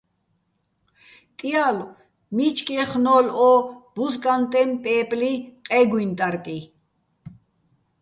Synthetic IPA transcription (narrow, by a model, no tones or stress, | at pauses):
t̪ʼial | mit͡ʃʼkʼiɛχnɔlɔb̥uzkʼant̪ʼɛmpʼɛːpʼliqʼɛɡwint̪ʼaɾkʼi